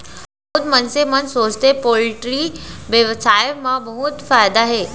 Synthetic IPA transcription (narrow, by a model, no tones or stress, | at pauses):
bəɦut̪mənsemənsost̪epoliʈɾiʋjəʋsajmabəɦut̪fajd̪aɦe